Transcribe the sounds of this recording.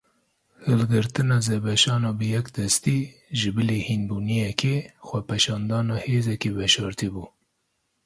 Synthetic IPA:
hɨlɡɨɾt̪ɨnɑːzebɛʃɑːnɑːbɨjɛkd̪ɛst̪iːʒɨbɨleːhinbuːnijɛkʰeːxʷɛpɛʃɑːnd̪ɑːnɑːheːzɛkebɛʃɑːɾt̪ibuː

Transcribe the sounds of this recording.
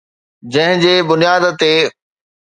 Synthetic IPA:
d͡ʑɐ̃ɦɪ̃d͡ʑeːbʊnijaːd̪t̪eː

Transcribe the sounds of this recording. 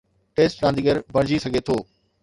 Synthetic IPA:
ʈeːsʈɾãːnd̪iɡəɾbɐɽ̃d͡ʑisɐɡʱet̪ʰoː

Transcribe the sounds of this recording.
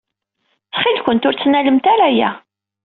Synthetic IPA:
θχɪlkʷʊnt̪ʊɾt͡sːnæləmt̪æɾæjæ̰

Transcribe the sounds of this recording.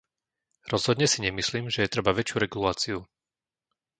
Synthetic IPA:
ɾɔz̥ɦɔd̪ɲɛsiɲɛmisliːmʒɛjɛt̪ɾɛbaʋɛt͡ʃɪuɾɛɡulaːt͡siu

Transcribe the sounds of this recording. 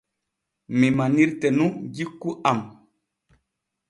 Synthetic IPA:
mimaniɾtɛnũɟikːuʔam

